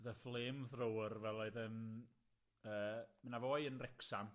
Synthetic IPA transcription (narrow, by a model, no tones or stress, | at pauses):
ðəflˠeːmðrowərvɛlˠoɨðən | əːmənavoːjənrɛksam